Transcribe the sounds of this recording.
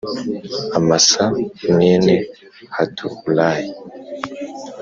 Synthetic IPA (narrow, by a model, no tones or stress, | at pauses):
amasaneːne | hatʰuhulaji